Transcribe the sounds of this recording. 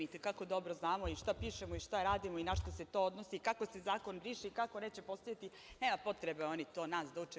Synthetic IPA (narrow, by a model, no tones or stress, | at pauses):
it̪ekako̞d̪o̞bɾoznaːmo̞iʃt̪apiːʃemoiʃt̪aɾaːd̪imoinaʃt̪ase̞t̪o̞ːod̪nosikakosezaːko̞nɾiːʃiːkako̞ne̞ːt͡ɕe̞po̞st̪ajat̪i | neːmapo̞t̪ɾebeo̞nit̪o̞ːnaːsd̪aut͡ʃe